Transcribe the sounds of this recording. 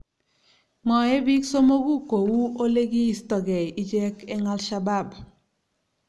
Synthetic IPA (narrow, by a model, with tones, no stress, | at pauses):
mɔ˨ɛ˦bi˦kso˦mo˦ɡu˦ko˨wu˦o˦le˦ɡi˦i˦stɔ˨ɡɛ˨i˦d͡ʒɛ˦kɛ˦ŋa˦lʃa˦ba˦˨b